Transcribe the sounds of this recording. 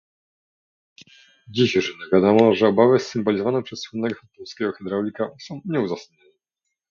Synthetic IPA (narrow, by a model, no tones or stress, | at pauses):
d͡ʑiɕʐɘnavʲjad̪amɔʐɛɔbavɘsːɘmbɔlʲizɔvanɛpʂɛsːwunːɛɡɔfat̪ɔlskʲɛɡɔxɛd̪ɾawlʲikasɔ̃w̃ɲɛuzasaɲɔnɛ